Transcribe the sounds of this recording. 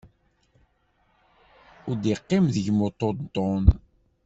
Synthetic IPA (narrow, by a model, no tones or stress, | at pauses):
ʊd̪iqːɪmðəʝmot̪ˤːod̪t̪ːon